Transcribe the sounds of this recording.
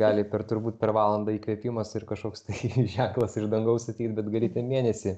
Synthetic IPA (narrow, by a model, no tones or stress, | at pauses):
ɡɑːlʲɪpʲɛɾt̪ʊɾbuːt̪ʲpʲɛɾʋɑːlˠɐnd̪ɐːiːkʋʲiɛpʲɪmɐsɪrkɐʃkoːkst̪ɐɪʒʲɛŋklˠɐsɪʒd̪ɐŋɡɐʊsɐt̪ʲiːkt̪ʲbʲɛt̪ɡɐlʲiːt̪ʲɛmʲiːnʲɛsʲɪ